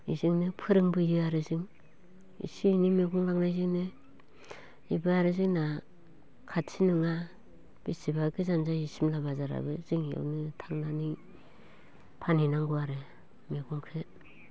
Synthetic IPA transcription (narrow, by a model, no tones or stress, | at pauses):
ḭziŋnɯpʰɯɾɯŋbɯjɯaɾɯzɯŋ | ḭsinimeɡuŋlaŋnajziŋnɯ | ibɯaɾɯziŋna | kʰatsʰinɯŋa | b̥isibaɡɯzanzaisimlabazaɾa̰bɯziŋja̰wnɯtʰaŋnani | pʰaninaŋɡuaɾɯ | meɡuŋkʰɯ